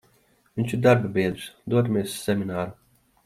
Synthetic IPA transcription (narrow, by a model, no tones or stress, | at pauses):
vinʲt͡ʃiɾd̪aɾbabʲiɛd̪ɾɨsd̪uɔd̪mʲeɛsːɛminaːɾu